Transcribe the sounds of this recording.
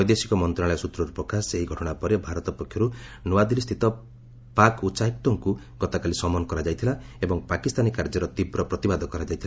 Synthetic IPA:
ɔjd̪esi̥kɔmɔnt̪ɾaɭɔjsut̪ɾɔɾupɾɔkaseɦiɡʱɔʈɔɽ̃apɔɾebʱaɾɔt̪ɔpɔkʰːjɔɾunuad̪ilist̪ʰit̪ɔ | pakutːsaɦik̚t̪ɔŋku | ɡ̥ɔt̪akalisɔmɔnɔkɔɾad͡ʒajt̪ʰilaebɔŋpakist̪anikaɾd͡ʒɔɾɔt̪ibɾɔpɾɔt̪ibad̪ʱɔkɔɾad͡ʒajt̪ʰila

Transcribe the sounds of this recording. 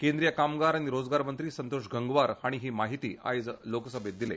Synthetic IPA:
kend̪ɾijakamɡaɾaɽ̃iɾod͡zɡaɾmənt̪ɾiːsənt̪oʂɡʱəŋɡʋaɾhaɽ̃iɦiːmaɦit̪ḭːa̰jd͡zloksəbʱet̪̚d̪ilḛ

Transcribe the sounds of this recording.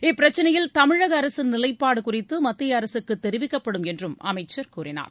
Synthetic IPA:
ɪpːɪɾɐt͡ʃːɐnɐjɪlt̪ɐmɪɻɐɣɐːɾɐsɯnɪlɐɪpːaːɽɯkʊrɪt̪ːɯmɐt̪ːɪjɐɐɾɐsɯkːɯt̪ːɛɾɪʋɪkːɐpːɐɽɯmɛndrɯmɐ̰mɐɪt͡ʃːɐɾkuːɾɪna̰ːɾ

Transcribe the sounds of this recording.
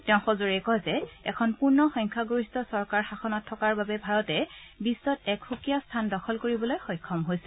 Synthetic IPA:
tɛʊ̃xozoɹɛkɔzɛɛ̰kʰɔnpuɹnɔxɔŋkʰaɡoɹistɔsɔɹkaɹxaxʰɔnɔtʰːɔkaɹbabɛbʱaɹɔtɛbisːɔtɛkxukijastʰandɔkʰɔlkoɹibɔlojxɔjkʰːɔmɦojsɛ̥

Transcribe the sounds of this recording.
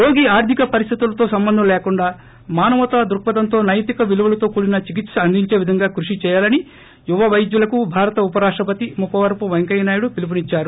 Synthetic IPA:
jo̞ːɡiaːɾd̪ʱikɐpɐɾist̪ʰit̪ulɐt̪oːsɐmbɐnd̪ʱɐmlɛːkuɳɖaː | maːnɐʋɐt̪aːd̪ɾuk̚pɐd̪ɐnt̪o̞ːnɐjt̪ikɐʋiluʋɐlɐt̪o̞ːkuːlinɐt͡ʃik̬it̪sɐɐnd̪ʱiɲt͡ʃe̞ːʋid̪ʱɐŋɡaːkɾuʂit͡ʃɛːjaːlɐni | juʋɐʋɐjd͡ʒ̪julɐkubʱaːɾɐt̪ɐupɐɾaːʂʈɾɐp̬ɐt̪imupːɐʋɐɾpuʋɐŋkɐjnaːjuɽupilip̬unit͡ʃːaːɾu

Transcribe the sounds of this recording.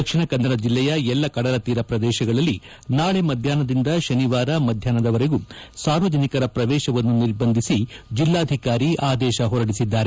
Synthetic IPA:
ɐkʂiɳɐkɐnd̪ɐɾɐd͡ʒilːɛjɐɛlːɐkɐɽɐɾɐt̪iːɾɐpɾɐd̪ɛːʃɐɡɐɭɐlːi | naːɭemɐd̪ʱjaːnɐd̪ind̪ɐʃɐniʋaːɾɐmɐd̪ʱjaːnɐd̪ɐʋɐɾeɡusaːɾʋɐd͡ʒɐnikɐɾɐpɾɐd̪ɛːʃɐʋɐnːuniɾbɐnd̪ʱisid͡ʒilːaːd̪ʱikaːɾiʔaːd̪ɛːʃɐɦɔɾɐɽisid̪ːaːɾe

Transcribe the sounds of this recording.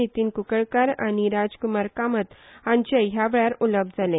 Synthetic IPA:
it̪iːnkukəɭkaɾa̰ñiɾad͡zkumaɾkamət̪ɦãɲt͡ɕəɦjaʋɭaɾuləb̚d̪d͡zalẽ

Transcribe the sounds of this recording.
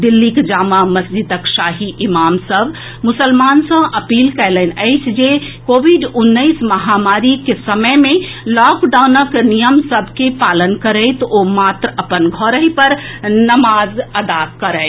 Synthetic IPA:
d̪ilːikd͡ʒaːmaməsd͡ʒid̪əkʃaːɦiʔimamsəbʱ | mʊsəlmansə̃ʔəpiːlkəɪlənəɪt͡ʃʰd͡ʒekoːbiɖunːəɪsməɦamaɾikesəməjmẽ | lɔkɖawnəknijəmsəbʱkepaːlənkəɾəɪt̪omat̪ɾəpənɡʱɔɾəɦipəɾnəmazəd̪akəɾəɪ

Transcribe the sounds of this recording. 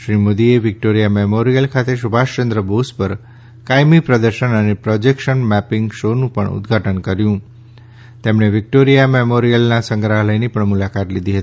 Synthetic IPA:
ʃɾimod̪ieʋɪk̚ʈoɾijamemoɾijəlkʰat̪eʃubʱaʃt͡ʃənd̪ɾəbospəɾ | kajmipɾəd̪əɾʃənənepɾɔd͡ʒekʃənmɛpɪŋɡʃonũpə̰ɳʊ̰d̪ɡʱaʈənkəɾjũ | t̪emɳ̃eʋɪk̚ʈoɾijamemoɾijəlnasə̃ŋɡɾaɦləjnipəɳmulakat̪lid̪ʱiɦət̪i̥

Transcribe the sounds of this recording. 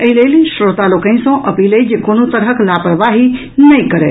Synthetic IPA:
əilelisɾot̪alokə̃ĩsə̃ʔəpiled͡ʒekonot̪əɾɦəklapɾəʋaɦi | nəjkəɾɛ̰

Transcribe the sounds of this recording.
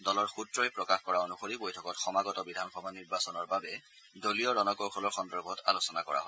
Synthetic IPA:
dɔlɔɹxutɹɔjpɹɔkaxkɔɹaonuxoɹibojtʰɔkɔtxɔmaɡɔtɔbidʱanxɔbʱaniɹbasɔnɔɹbabɛ | dolijɔɹɔnɔkɔɹkʰɔlɔɹxɔndɔɹbʱɔta̰losɔnakɔ̰ɹa̰ɦɔj

